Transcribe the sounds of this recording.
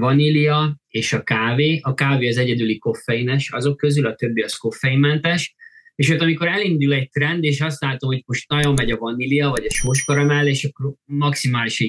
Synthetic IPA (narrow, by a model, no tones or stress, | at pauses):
vɒniliɒeːʃɒkaːveːʔɒkaːveːɒzɛɟɛd̪yliko̞fːɛjinɛʃɒzo̞kːø̞zylɒt̪ø̞bːiɒsko̞fːɛjimːɛnt̪ɛʃeːʃøːt̪ɒmiko̞ɾɛlind̪ulɛc̚t̪rɛnd̪eːʃɒs̬t̪laːt̪omho̞cmo̞ʃt̪nɒjomɛɟɒvɒniliɒvɒɟɒʃoːʃkɒɾɒmɛlːeːʃɒkːoɾmɒksimaːliʃ